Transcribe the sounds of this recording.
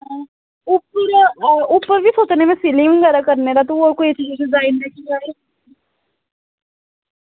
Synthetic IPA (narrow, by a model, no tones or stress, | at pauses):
ʊpəɾupəɾbʱisoːt͡ʃnemẽsɪlɪ̃ŋɡəɾakɐɾneɾat̪oɾkoet͡ʃizusezaːɪnɾɛkʰid͡ʒaːe